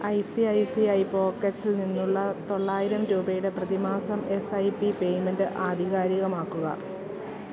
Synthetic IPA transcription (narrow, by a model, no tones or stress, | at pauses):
ɐjsiɐjsiɐjpo̞ːkːɐʈsilninːuɭːɐt̪o̞ɭːaːjiɾɐmɾuːbɐjuɽe̞prɐðimaːsɐme̞sɐjpipe̞jmendɨʔaːd̪ʱiɣaːɾiɣɐmaːkːuɣɐ̰